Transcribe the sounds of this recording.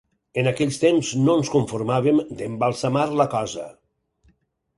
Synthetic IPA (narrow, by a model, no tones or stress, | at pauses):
ənakɛʎst̪emznonskuɱfuɾmaβəmd̪əmbalˠsəmaɾləkɔzə̰